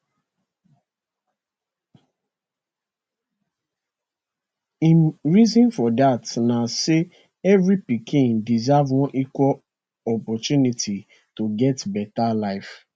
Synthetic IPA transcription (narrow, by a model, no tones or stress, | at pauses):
ĩnɹizɔ̃nfɔdatnase | ɛvɾipikʰĩndizavwɔ̃nʔikʷɔl | ɔpɔtjunitʰi | toɡɛtbɛtalaɪf